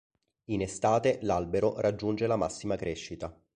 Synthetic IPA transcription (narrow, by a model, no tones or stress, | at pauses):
inest̪aːt̪elalbeɾorad͡ʒːund͡ʒelama̰sːimakɾeʃːit̪a